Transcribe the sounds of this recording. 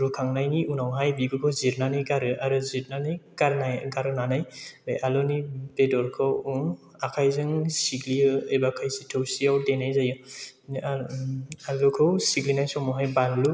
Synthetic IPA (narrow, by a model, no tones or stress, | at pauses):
ɾukʰaŋnajniunawɦajbiɡɯkʰɯwziɾnanɯjɡaɾɯʔaɾɯziɾnanɯjɡ̥aɾnajɡaɾɯnanajbejʔalɔnibedɔɾkʰɯw | akʰajzɯŋsiɡliɯebakʰajsitʰɯwsiawdenajzajɯ | alɔkʰɯwsiɡlinajsɔmɔɦajbanlu